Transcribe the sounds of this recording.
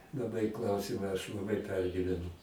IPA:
lˠɐˈbɐɪ ˈklˠɐʊsʲiːmɐ ɐʃ lˠɐˈbɐɪ ˈpʲɛrʲɡʲiːʋʲɛnʊ

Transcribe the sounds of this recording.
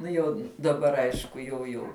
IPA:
ˈnʊ jɛʊ dɐˈbɐr ˈɐɪʃkʊ jɛʊ ˈjɛʊ

